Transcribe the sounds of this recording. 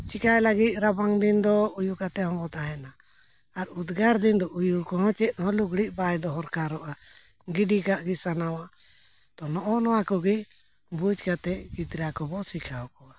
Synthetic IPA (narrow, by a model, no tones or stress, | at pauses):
t͡ʃikajlaɡit̪̚ˀɾabaŋd̪ind̪ɔujukat̪ɛhɔ̃mɔt̪aɦɛna | aɾud̪ɡaɾd̪ind̪ɔʔujukɔɦɔ̃t͡ʃɛt̪̚t̪ɔɦɔ̃luɡɽiʔbajd̪ɔɦɔɾkaɾɔʔa | ɡiɖikaʔɡisanawa | t̪ɔnɔʔɔnɔwakɔɡi | bud͡ʒkat̪ɛd͡ʒit̪ɾakɔbɔsikʰawkɔa